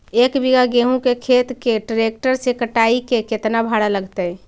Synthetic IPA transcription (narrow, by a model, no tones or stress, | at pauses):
ekbiɡaɡeɦũkekʰet̪keʈɾekʈəɾsekəʈaikeket̪nabʱaɽaləɡt̪əj